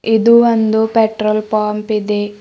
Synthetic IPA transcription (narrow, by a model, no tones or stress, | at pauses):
id̪uʋɐnd̪upeʈɾolpaːmpid̪e